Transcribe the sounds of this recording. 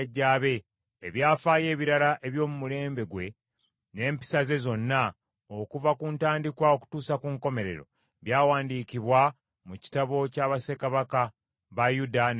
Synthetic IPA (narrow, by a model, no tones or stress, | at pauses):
ɟːaːβe̞ː | βjaːfaːje̞ːβiɾalaʔe̞βjo̞ːmumule̞ːmbe̞ɡwe̞ | ne̞ːmpi̥saze̞zo̞nːa | o̞kuvakuːntaːndikwao̞ku̥tuːsakuŋko̞me̞ɾe̞̰ɾo̞̰ | βjaːwaːndiːciβwa | muci̥taβo̞caːβase̞kaβaka | βajudan